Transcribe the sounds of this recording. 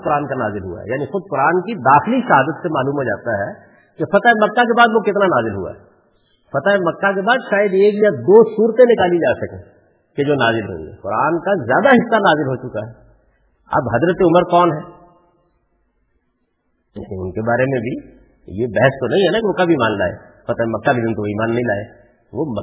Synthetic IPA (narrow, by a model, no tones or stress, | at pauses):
kʊɾaːnkana̰ːzɪlɦʊ̰a̰ɦɛ̰jaːnixʊd̪̚kʊɾaːnkid̪aːxɪliʃɐɦaːd̪ət̪semaːluːmɦod͡ʒa̰ːt̪aɦɛ | kefɐt̪aːemɐkːak̬ebaːd̪ʋokɪt̪nanaːzɪlɦṵa̰ɦɛ | pɐt̪aemɐkːak̬ebaːd̪ʃaːjəd̪eːkjad̪oːsuːɾt̪ẽnɪkaːlid͡ʒaːsɐkḛ̃ː | ked͡ʒoːna̰ːzɪlɦo̰ːḭɛ̰kʊɾaːnkazjaːd̪aɦɪsːanaːzɪlɦot͡ʃʊkaɦɛ | ɐ̰bɦɐzɾət̪eʊməɾkɔːnɦɛː | ḛːkeʊ̰nkebaːɾemẽbʱi | jebɛɦəst̪onɐɦĩɦɛnakeʋokɐbʱiːmaːnla̰ːḛːpɐt̪aːemɐkːaked̪ɪ̃nt̪oʋiːmaːnːɐɦĩla̰ːḛ | ʋomə